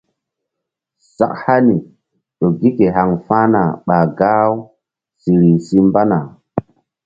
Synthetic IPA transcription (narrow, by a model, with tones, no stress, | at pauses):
sa̰˨kha˦ni˨ | ɗo˨ɡi˦ke˨ɦa˨ŋfa˦na˨ɓa˨ɡaː˦w | si˨ɾi˨si˦mba˦na˨